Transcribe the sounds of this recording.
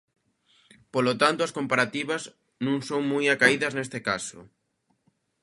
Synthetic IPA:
polot̪ant̪ʊɐskompaɾat̪iβɐz | nũŋsoŋmujakaiðɐznest̪ekasʊ̰

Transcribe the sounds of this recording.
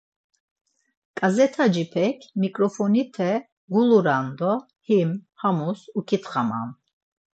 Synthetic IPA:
kʼazɛt̪ʰad͡ʒipʰɛkʰmikʼɾɔfɔnit̪ʰɛ | ɡuluɾand̪ɔ | himhamusukʰit̪χama̰n

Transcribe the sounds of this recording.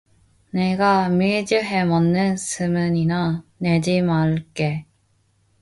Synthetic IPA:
neɡamiɭd͡ʑɯɦemʌnːɯnsʰɯmɯɲinane̞d͡ʑimaɭk͈e

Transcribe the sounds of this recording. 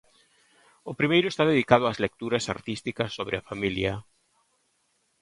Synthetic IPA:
ʊpɾimejɾʊest̪aðeðikað̞ʊazlek̚t̪uɾɐsa̰ɾt̪ist̪ikɐsːoβɾɪafamiljɐ

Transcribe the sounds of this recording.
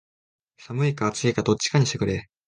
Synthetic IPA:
samɯ̟ikaːt͡sɨekad̪o̞t͡ɕːi̥kaɲ̟iɕt̪ekɯ̟ɾe

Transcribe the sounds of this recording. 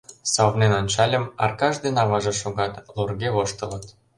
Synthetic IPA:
sɑβnenonʲt͡ɕɑlʲə̆mɑ̰rkɑʒd̪enɑβɑʒĕʃoɣɑt̪lorɣeβoʃt̪ə̆lə̆t̪

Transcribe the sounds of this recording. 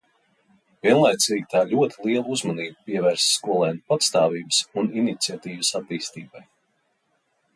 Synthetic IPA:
vʲiɛnlˠajt̪siːɡʲit̪aːlʲuɔt̪ʰilˠiɛlˠuuzmaniːbupiɛvɛːɾsskuɔlˠɛːnpat̪st̪aːviːbəsuninit̪siat̪iːvsat̪ːiːst̪iːbaj

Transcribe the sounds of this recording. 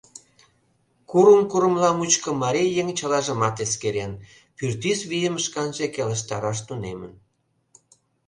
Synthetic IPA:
kuɾumkuɾə̆mlɑmut͡ɕkə̆mɑɾejeŋt͡ɕəlɑʒə̆mɑt̪eskeɾen | pyrt̪isβijəməʃkɑnʒekelə̆ʃ̬t̪ɑɾɑʃ̬t̪unemə̰n

